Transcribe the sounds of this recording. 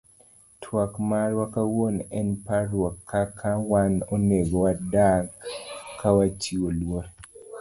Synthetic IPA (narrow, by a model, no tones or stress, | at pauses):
tʰwakmaɾwakawonɛnpaɾwɔkʰːakʰawanoneɡowadakkːawat͡ʃiwolwoɾ